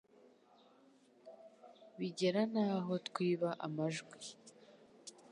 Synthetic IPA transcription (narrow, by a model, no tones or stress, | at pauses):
βiɟe̞ɾanaːɦo̞tkwiːβaʔa̰maʒɡwi